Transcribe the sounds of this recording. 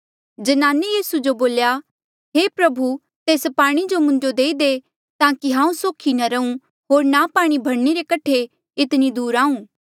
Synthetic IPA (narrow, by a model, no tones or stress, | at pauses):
d͡ʒɐnaːnejiːsud͡ʒoboːlja | ɦepɾɐbʱu | t̪eːspaːɽ̃id͡ʒomʊ̃ɲd͡ʒod̪eːid̪e | t̪ãːkiɦãːũsoːkʰinɐɾɐũ | ɦoːɾnapaːɽ̃ibʱɐɽneɾekɐʈʰe | ɪt̪nid̪uːɾaːũː